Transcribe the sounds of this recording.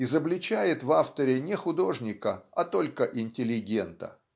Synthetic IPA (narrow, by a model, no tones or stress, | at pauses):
ɪzəblʲɪt͡ɕæjɪt̪vaft̪əɾʲɪnʲɪxʊd̪o̞ʐnʲɪkəɐt̪o̞lʲkəʔɪnʲtʲɪlʲɪɡʲe̞nt̪ə̰